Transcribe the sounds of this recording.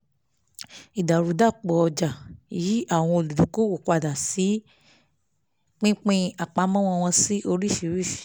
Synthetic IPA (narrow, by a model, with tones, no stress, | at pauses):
i˨da˨ɾu˨˦da˦˨k͡pɔ˨˧d͡ʒa˨ji˨˦a˦˨w̃ɔ̃˧o˧˨lu˨du˨ko˦wo˦˨k͡pa˧˨da˨si˨˦ | k͡pĩ˦k͡pĩ˦a˨k͡pa˨˧˦mɔ̃˦w̃ɔ̃˦˧w̃ɔ̃˧si˦ʔo˧ɾi˦˨fi˧˦ɾi˦fi̥˨